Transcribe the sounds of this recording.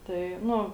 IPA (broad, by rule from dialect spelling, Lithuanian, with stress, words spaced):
tɐɪ ˈnʊ